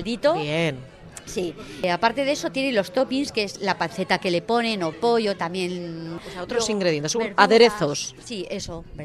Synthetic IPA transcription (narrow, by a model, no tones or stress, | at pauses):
ld̪it̪o̞en | siapaɾt̪e̞ðeso̞t̪je̞nelo̞st̪o̞pinskeezlapanθe̞t̪ake̞le̞po̞ne̞nopo̞ʝo̞t̪amje̞naot̪ɾosiŋɡɾeðjent̪e̞suaðeɾe̞θossie̞so